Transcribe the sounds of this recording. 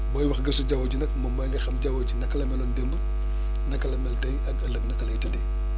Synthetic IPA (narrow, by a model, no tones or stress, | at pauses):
bɔːjwɐxɡɐsuɟɐwɐd͡ʒinɐk̚mɐmbɐjŋɡɐxɐmɟɐwɐt͡ʃinɐkːɐlɐmɛlɔndembə | nɐkːɐlɐmɛltɐjɐkɐlɐk̚nɐkɐlɐjtɐdɛ